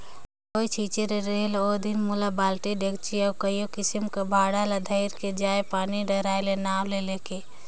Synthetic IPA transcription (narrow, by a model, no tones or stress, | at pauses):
koit͡ʃʰiːt͡ʃeɾeɾeːlod̪inmulabaːlʈiɖekt͡ʃiəkəjokɪsimkabʱaːɽalad̪ʱəɪɾked͡ʒaːjepaːniɖəɾaːelenaːwleleːke